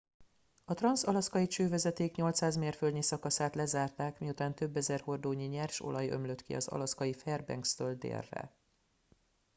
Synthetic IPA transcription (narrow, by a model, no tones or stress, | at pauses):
ɒt̪rɒnsɒlɒskɒjit͡ʃøːvɛzɛt̪eːkɲo̞lt̪saːzmeːrfølɲisɒkɒsaːt̪lɛzaːrt̪aːkmiut̪aːnt̪ø̞bːɛzɛrho̞rd̪oːɲiɲɛrʃo̞̰lɒjø̰mløt̪kḭɒ̰zɒ̰lɒskɒjifɛrbɛ̰ŋkst̪øld̪ḛːrːɛ̰